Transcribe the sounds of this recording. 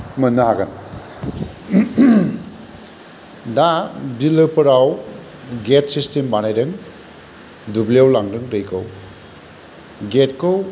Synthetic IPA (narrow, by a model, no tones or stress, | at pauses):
mɐnːɐɦaɡɐn | dabilɯpʰɯɾaw | ɡet̚sistembanajɾɯŋ | dubliawlaŋdɯŋɾɯjkʰɯw | ɡet̚kɯw